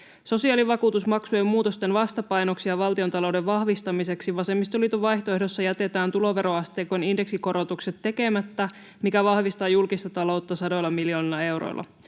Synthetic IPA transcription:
so̞siɑːliʋɑkuːt̪usmɑksuemːuːt̪o̞st̪e̞nʋɑst̪ɑpɑjno̞ksiɑʋɑlt̪io̞nt̪ɑlo̞wdeʋʋɑhʋist̪ɑmise̞ksiʋɑse̞mːist̪uliːt̪uʋɑjçt̪oehdo̞sːɑjæt̪e̞t̪æːnt̪ulo̞ʋe̞ɾo̞ɑst̪eːkoninde̞ksiko̞ɾo̞t̪ukset̪ːe̞ke̞mæt̪ːæ | mikæʋɑhʋist̪ɑːjulkist̪ɑt̪ɑlo̞wt̪ːɑsɑdo̞jlːɑmilio̞ːnilːɑe̞wɾo̰jlːˑʔɑ̰

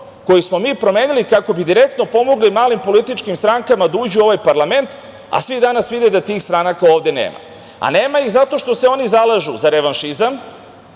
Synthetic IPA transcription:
ko̞jismo̞miːpɾo̞me̞ːnilikako̞bid̪iɾek̚t̪no̞po̞mo̞ɡlimaːlimpo̞lit̪it͡ʃkimst̪ɾaŋkamad̪auːd͡ʑuo̞ʋajpaɾlˠame̞nt̪ | a̰sʋid̪anasʋid̪ed̪at̪iːxst̪ɾanakao̞ːʋd̪e̞nḛːma̰ | a̰neːmajixzat̪oʃt̪o̞seo̞nizalˠaʒṵzaɾeʋanʃizam

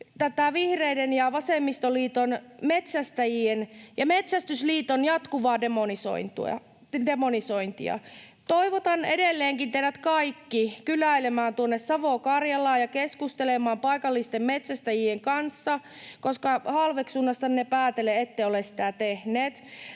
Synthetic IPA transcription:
t̪æt̪æˑʋihreidenjɑʋɑsemːist̪oliːt̪onmet̪sæst̪æjienjɑmet̪sæst̪ysliːt̪onjɑt̪kuʋɑːdemoniso̰int̪ṵɑ̰ | demonisoint̪ḭɑ̰ | t̪oiʋot̪ɑnedelːeːŋkint̪ehdæt̪kɑikːikylæilemæːnt̪uonːessɑʋokɑrjɑlɑːjɑkeskust̪elemɑːmpɑikɑlːist̪emmet̪sæst̪æjieŋkɑnsːɑ | koskɑhɑlʋeksunːɑst̪ɑninepæːt̪eleet̪ːeiolessit̪æt̪ehneːt̪

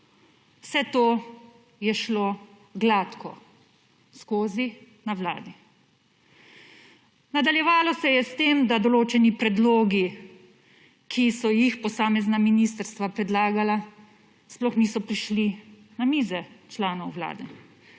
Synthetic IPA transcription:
wsɛt̪oː | jɛʃloː | ɡlat̪kʰɔ̰ | skoːzi | nawla̰ːd̪i | nad̪aljɛʋaːlɔsɛjɛst̪eːmd̪ad̪ɔloːt͡ʃɛnipɾɛd̪loːɡi | kʰisɔjixpɔsaːmɛznaminiːst̪əɾst̪ʋapɾɛd̪laːɡala | splɔxniːsɔpɾiʃli | namiːzɛt͡ʃlaːnɔwwla̰ːd̪ɛ

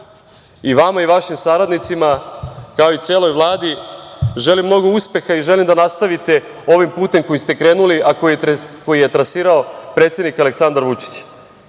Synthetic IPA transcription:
iʋamaiʋaʃimsaɾad̪nit̪simakao̞it̪se̞ːlo̞jʋlˠaːd̪iʒe̞limːno̞ɡo̞uspe̞xaiʒe̞limd̪anast̪aʋit̪e̞ | o̞ʋimpuːt̪e̞mko̞jist̪e̞kɾe̞ːnuliʔakokojijet̪ɾasiːɾao̞pɾe̞t̪sje̞d̪nikale̞ksand̪aɾʋut͡ʃi̥t͡ɕ

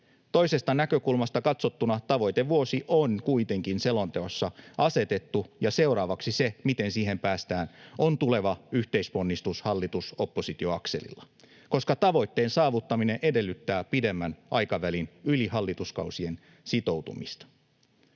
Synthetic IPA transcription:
t̪o̞jse̞st̪ɑnækø̞kulmɑst̪ɑkɑt̪so̞t̪ːunɑt̪ɑʋo̞jt̪eʋuo̞siʔonkujt̪e̞ŋkinse̞lont̪eosːɑʔɑse̞t̪e̞t̪ːujɑse̞wɾɑːʋɑksise̞mit̪e̞nsiːɦe̞mpæːst̪æːno̞nt̪ule̞ʋɑyht̪e̞ispo̞nːist̪ushɑlːit̪usopːo̞sit̪io̞ɑkse̞̰lḭlːɑ | ko̞skɑt̪ɑʋo̞jt̪ːe̞ːnsɑːʋut̪ːɑmine̞ʔe̞de̞lːyt̪ːæːpide̞mːænʔɑjkɑʋælinyliɦɑlːit̪uskɑ̰wsie̞n | sit̪o̞wt̪ṵmḭst̪ɑ̥

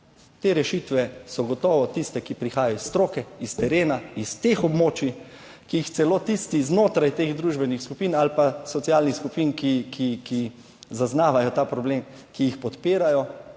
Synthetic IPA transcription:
t̪eːɾɛʃit̪ʋɛsɔɡɔt̪ɔːʋɔt̪ist̪ɛkipɾixaːjajɔisːt̪ɾoːkɛist̪ɛɾeːnaist̪exɔbmoːt͡ʃi | kiixt̪sɛloːt̪ist̪iznoːt̪ɾajt̪eːɣd̪ɾuʒbɛnixskupiːnalpasɔt̪siaːlnixskupiːnkikʰiki | zaznaːʋajɔt̪aːpɾɔbleːm | kijixpɔt̪peːɾajɔ

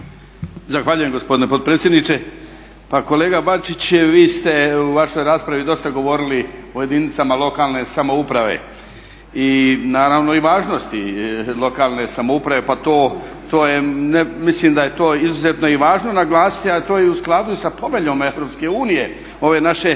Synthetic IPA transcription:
zaxʋaʎuje̞mɡo̞spo̞d̪ine̞po̞t̪̚pɾet̪sʲjed̪nit͡ʃe̞ | pako̞leːɡabat͡ʃit͡ɕʋiːst̪e̞uʋaʃo̞jɾaːspɾaʋid̪o̞st̪aɡo̞ʋo̞ɾiliuje̞d̪init̪samalˠo̞kalˠne̞samo̞upɾaʋḛ | inaːɾaʋno̞iʋaːʒno̞st̪ilˠo̞kaːlˠne̞samoupɾaʋe̞pat̪o̞ː | t̪oːjenemislimd̪aje̞t̪o̞ːizuzet̪no̞iʋaːʒno̞naɡlˠaːsi̥t̪iat̪o̞ːiusklˠad̪uisapo̞meʎome̞ʋɾo̞pske̞uːnije̞ | o̞ʋe̞ːnaʃe̞

